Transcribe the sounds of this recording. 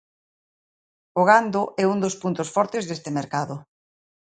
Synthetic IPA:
oɣand̪ʊʔɛund̪ospunt̪osfɔɾt̪ɪzðest̪ɪmeɾkaðʊ

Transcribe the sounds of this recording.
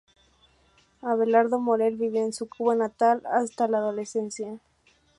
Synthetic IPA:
aβe̞laɾðomoɾeɾβiβjoensukuβanat̪alast̪alaːðo̞le̞sensja

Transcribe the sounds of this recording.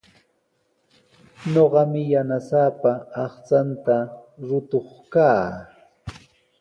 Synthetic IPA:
ɲoɢɑmɪjanasaːpaɑχt͡sant̪aɾʊt̪oχkaː

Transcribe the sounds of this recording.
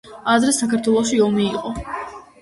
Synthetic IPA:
ad̪ɾɛsakʰaɾt̪ʰwɛlˠɔʃiɔmiːqʼɔ

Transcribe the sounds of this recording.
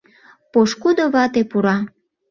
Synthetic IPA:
poʃkud̪oβɑt̪epuɾɑ

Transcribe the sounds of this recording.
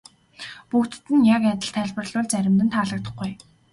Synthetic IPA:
pukt̪̆t̪ɘ̆njakæt̪ə̆ɬt̪ʰæːɮpə̆rɮʊːɮt͡sæɾʲɪ̆mt̪̬ɘ̆nt̪ʰaːɮə̆k̚t̪ə̆χɡuj

